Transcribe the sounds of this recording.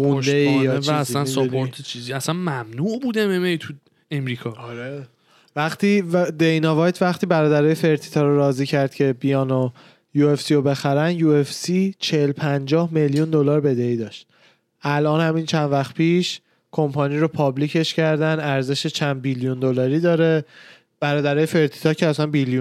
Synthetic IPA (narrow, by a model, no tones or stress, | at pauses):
und̪eisænopʰoɾt̪ʰet͡ʃʰiziæsænmæmnuʔbud̪ememejt̪ʰu | emɾiːkʰɒɒɾe | væχt̪ʰiːd̪ejnɒvɒːjt̪ʰvæχt̪ʰiːbæɾɒːd̪æɾɒːjefe̞ɾt̪ʰi̥t̪ʰɒɾoɾɒːziːcʰæɾd̪̥cʰe̞bijɒːno | juefsiobe̞xæɾænjuefsit͡ʃʰeelpʰænd͡ʒɒːhmeljund̪o̞lɒːɾbe̞d̪eiːd̪ɒːʃt̪ | ʔælʔɒːnhæmint͡ʃʰænd̪væxt̪̚pʰiːʃ | kʰo̞mpʰɒniːɾopʰɒblicʰe̞ʃcʰæɾd̪ænæɾze̞ʃet͡ʃʰænd̪̚biljund̪o̞lɒːɾiːd̪ɒːɾe | b̥æɾɒːd̪æɾɒːjefe̞ɾt̪ʰi̥t̪ʰɒːcʰeæsænbiljun